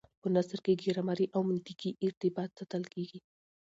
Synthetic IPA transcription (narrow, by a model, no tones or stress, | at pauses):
pənasɾkeɡeɾamɑɾiʔawmʊnt̪ɪkiʔɪɾt̪ɪbɑt̪̚z̥at̪əlkeɡi